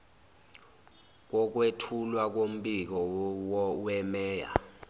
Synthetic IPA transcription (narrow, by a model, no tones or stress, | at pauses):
k̬ɔk̬wetʰulwak̬om̩ɓʼik̬ɔwɔwɛmɛːja̰